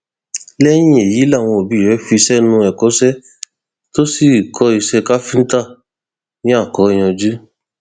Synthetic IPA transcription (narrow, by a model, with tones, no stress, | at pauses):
lɛ˦j̃ĩ˦e˨ji˨˦la˦˨w̃ɔ̃˧o˨bi˨˦˨ɛ˨˦fi˧sɛ˦nũ˧ɛ˨kɔ˨˦sɛ˦ | to˦si˦˨kʰɔ˦i˧sɛ˧ka˦fĩ˦n̩˦ta˦˨ | nĩ˦a˦˨kɔ˨˦i˦˨j̃ɔ̃˧d͡ʒu˦